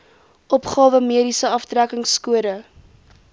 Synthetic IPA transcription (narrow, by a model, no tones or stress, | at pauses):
ʔɔpχɑːvəmiəɾisəɐfdrækəŋskuəɾə